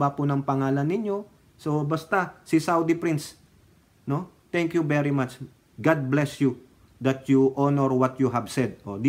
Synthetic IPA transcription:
apʊnɐŋpɐŋaːlɐnːɪɲjo̞ | so̞bɐst̪asisawd̪ipɾins | no̞ | t̪ɛŋkjuvɛɹimat͡ʃ | ɡad̪̚blɛsju | d̪ɐt̪̚juʔonɛɹwɐt̪juɦɐbsɛd̪̚ʔod̪i

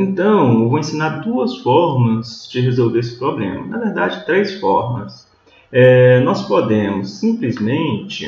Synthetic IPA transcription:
ẽt̪ɐ̃w̃ewvowẽsĩnaɾd̪uɐsfɔɾmɐzd͡ʒɪɦezowveɾesɪ̥pɾoblḛ̃mɐ̰nɐvɛɾd̪ad͡ʒɪt̪ɾejsfɔ̰ɾmɐ̰s | ɛnɔspod̪ẽmʊsːĩplizmẽnt͡ʃɪ̰

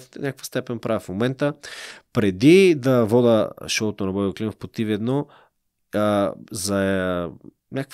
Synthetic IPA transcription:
t̪nʲakəkvə̥st̪ɛpɛnpɾʔavɛfmomɛnt̪əpɾɛd̪id̪ɐvɔd̪əʃɔlt̪onɐbɔklʲiməfpot̪ivɛd̪nɔ | zɐ | nʲakəkf

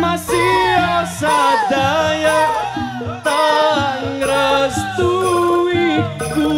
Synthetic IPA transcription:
masiɔsad̪̥aja | t̪ə | ɾəst̪uwiku

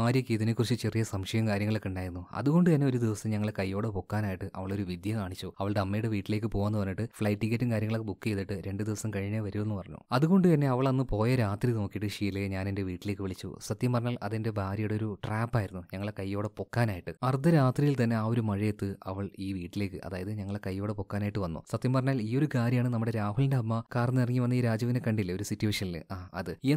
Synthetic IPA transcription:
aːɾjɐkːiiðinekːurit͡ɕːɨt͡ɕe̞rijɐsɐmʂɐjɐmkaːɾjɐŋːɐɭekːuɳɖaːjiɾunːuɐ̰ðuɣo̞ɳɖɨt̪ɐnːe̞o̞ɾud̪iʋɐsɐmɲɐŋːɐɭekɐjːo̞ːɽepo̞kːaːnaːjiʈːɨʔɐʋɐɭo̞ɾuʋid̪jɐkaːɳit͡ɕːuɐʋɐɭt̪ɐmːɐjuɽeʋiːʈːile̞ːk̬ːɨpo̞ːʋɐaːnːɨpɐnːiʈːɨfɭɐjʈːikːɐtːɨmkaːɾjɐŋɐɭokːebukːɨet̪ːiʈːɨɾe̞ɳɖɨd̪iʋɐsɐmkɐɻiɲːɐʋɐɾuenːɨpɐrɐɲːṵɐðuɣo̞ɳɖɨt̪ɐnːe̞ɐʋɐɭɐnːɨpo̞ːjɐɾaːt̪rino̞ːkːijiʈːɨʂiːleɲaːnende̞ʋiːʈːile̞ːkːɨʋiɭit͡ɕːṵsɐt̪jɐmpɐrɐɲːaːlʔɐðende̞bʱaːɾjɐjɽeoɾuʈraːpːaːjiɾunːuɲɐŋːɐɭekɐjːo̞ːɽepo̞kːaːnaːjiʈːɨɐrd̪ɐɾaːt̪rijilt̪ɐnːe̞aːo̞ɾumɐɻijet̪ːɨɐʋɐɭiːʋiːʈːile̞ːkːɨʔɐ̰ðaːjɐðɨɲɐŋːɐɭekɐjːo̞ːɽepo̞kːaːnaːjiʈːɨʋɐnːo̰sɐt̪ːjɐmpɐrɐɲːaːliːo̞ɾukaːɾjɐmaːɳɨnɐmːuɽe̞ɾaːɦuɭindeɦɐmːakaːrnːirɐŋːiʋɐnːɐiːɾaːd͡ʑɐʋinekɐɳɖilːɐo̞ɾusitːuʋeːʂɐnilɨ̰ʔaːɐ̰ðɨi

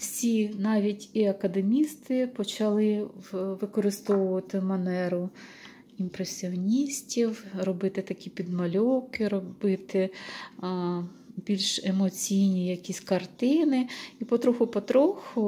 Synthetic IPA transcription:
wsʲinɑʋʲitʲiɐkɐd̪emʲist̪ɪpɔt͡ʃɐlˠɪʋɪkɔɾɪst̪ɔwʊʋɐt̪ɪmɐnɛɾʊ | impɾesʲiɔnʲisʲtʲiwrɔbɪt̪ɪt̪ɐkʲipʲid̪mɐlʲɔwkɪɾɔbɪt̪ɪ | bʲilʲʃemɔt͡sʲijnʲijɐkʲisʲkɐrt̪ɪnɪipɔt̪ɾɔxʊpɔt̪ɾɔxʊ

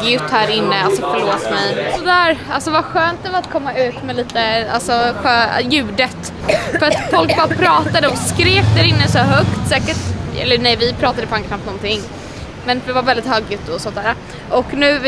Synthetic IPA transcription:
jɵt̪ːhæːɾɪnːəalsɔfœɭoːt̪mɛjsɔd̪æːɾalsɔvaɧøːnt̪̚d̪ɛvaɾat̪kʰɔmːaʉ̟ːt̪mɛliːt̪əa̰lsɔɧœjʉ̟ːd̪ət̪ | fœɾat̪fɔlk̚bɑːɾapʰɾɑːt̪ad̪əɔskɾeːk̚d̪æɾɪnːəsɔɦœkt̪sɛːkəʈɛ̰lːəɾnɛjvɪpʰɾɑːt̪ad̪əpʰaŋkkʰnamp̪nɔnt̪ʰɪŋː | mɛnvɪvaɾvɛld̪ɪt̪hœːɡjʉt̪ːɔsɔnt̪æːɾa | ʔɔknʉ̟ː

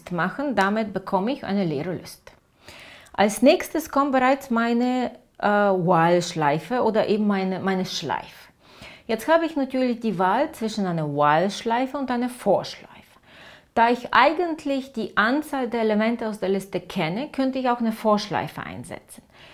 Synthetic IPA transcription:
tmaχn̩damɪt̚b̥əkʰɔməɪçʔa̰ɪnəleːʁəlʊst | ʔalsnɛːçstəskʰɔmt̚b̥əʁaɪt͡smaɪnə | ʔwalʃlaɪfəʔoːdɐʔeːbm̩maɪnəmaɪnəʃla̰ɪf | jɛt͡sthaːbəɪçnatʰyːɐlɪçd̥iːvaːlt͡sv̥ɪʃn̩ʔaɪnɐwaːlʃlaɪfəʊntʔaɪnɐfoːɐʃla̰ɪfə̥ | d̥aːɪçʔaɪɡəntʰlɪçd̥iːʔant͡saːldeːɐelemɛntəaʊsd̥eːɐlɪstəkʰɛnəkʰœntəɪçaʊxaɪnəfoːɐʃla̰ɪfəʔa̰ɪnzɛ̰t͡sn̩

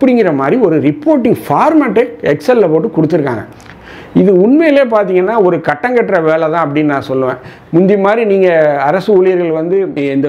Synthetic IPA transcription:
ɐpːɐɽɪŋɡɪɾɐmaːd̪ɾiɔɾɯɾɪpːoːɾʈːɪŋɡfaːɾmaːʈːɯɛksɛlːɐpoːʈːɯkɔɽɯt̪ːɯɾɯkːa̰ːŋɡɐ̰ | ɪðɯʊnmejɪleːp̬aːɾt̪̬iːŋɡɐnːaːɔɾɯkɐʈːɐŋɡɐʈːɾɐʋeːɭɐt̪ãːɐpːɐɽɪnːnãːsɔlːɯʋḛ̃ː | mʊnd͡ʒ̪ɪmaːd̪ɾiniːŋɡɐɐɾɐsɯʊɭɪjɐɾɣɐɭʋɐnd̪ɯɛnd̪ɐ

